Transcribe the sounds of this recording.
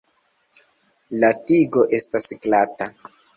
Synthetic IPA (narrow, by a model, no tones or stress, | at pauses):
latiɡo̞ʔe̞stasklata